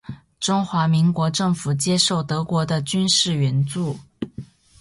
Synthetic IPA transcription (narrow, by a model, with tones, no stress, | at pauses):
ʈ͡ʂʊ˥ŋxwa˧˥mi˧˥ŋkwɔ˧˥ʈ͡ʂɤ˥˩ŋfu˨˩t͡ɕjɛ˥ʂo˥˩ʊt̪ɤ˧˥kwɔ˧˥d̪ə˧t͡ɕy˥nʂɻ̩˥˩ɥɛ˧˥nt͡su˥˩